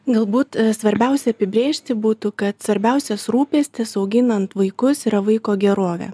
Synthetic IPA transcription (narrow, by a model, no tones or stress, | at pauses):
ɡɐlˠbuːt̪sʋɐɾʲbʲɛˑʊsʲɛɐpʲɪbʲɾʲeːʃʲt̪ʲɪbuːt̪uːkɐt̪sʋɐɾʲbʲɛʊsʲɛsɾuːpʲeːsʲt̪ʲɪsɐʊɡʲɪnɐnt̪ʋɐɪkʊsiɾɐʋɐɪkoːɡʲɛɾoːʋʲɛ̰